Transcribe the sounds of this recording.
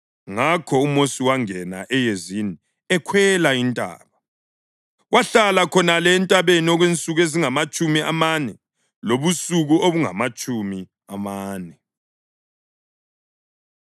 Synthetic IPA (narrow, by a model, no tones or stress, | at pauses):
ŋakʰɔumosiwaŋɛna̰ʔɛjezini | ɛkʰwɛlaintʼa̰ːβa | waɬalakʰɔnalɛntʼaβeniɔɣwent͡sʼuɣeziŋamat͡ʃʼumia̰manɛ | loβusuɣuoβuŋa̰mat͡ʃʼumi | amaːnɛ